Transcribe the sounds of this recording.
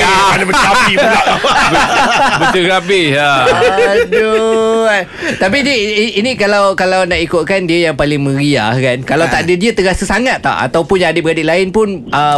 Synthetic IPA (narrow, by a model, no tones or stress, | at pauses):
anabəəabihbuaʔbəbət͡ʃəɾabɪa | du | t̪ap̬idəiinĩkalawkalawnaʔikʊt̪̚kandiajaŋpalɪŋmə̃ɾiahkankalawt̪aʔdadiat̪əɾasəsaŋat̪ːa̰ʔa̰t̪awpʊnjaadɪpbəadiʔlaɪnpʊnʔə